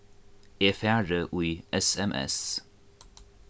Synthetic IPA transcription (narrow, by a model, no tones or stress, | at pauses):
eːfæːɹəʔʉːɛsɛmʔɛ̰s